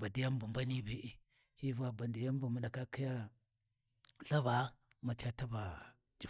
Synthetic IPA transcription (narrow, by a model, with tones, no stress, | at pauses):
ba˨di˦ja˦m˦bu˨mba˦ni˦bi˦ʔi˦ | hi˦va˨ba˨ndi˨ja˦m˦bu˨mu˨˦ɗa˨ka˦ki˦ja˦ | ɬa˦ba˨˦ | ma˨t͡ʃa˦ta˦ba˨ | d͡ʒi˨